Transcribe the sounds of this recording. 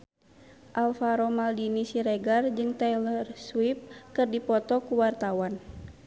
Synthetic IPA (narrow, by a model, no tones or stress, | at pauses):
ʔalfaɾɔmaldinisiɾɛɡard͡ʒɨŋt̪ɛlərswip̚kɨrdipɔt̪ɔkuwart̪awan